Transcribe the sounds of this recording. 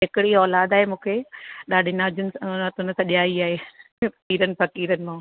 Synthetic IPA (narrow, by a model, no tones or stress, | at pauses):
ɦɪkɪɽiɔːlaːd̪aːɦemũːkʰeɗaːɗʱɪnaːd͡ʑʊnɪsnət̪ʊnɪ̆sɐ̃ɗijaːiaːɦeː | piːɾənɪ̆fɐkiːɾənɪ̆mã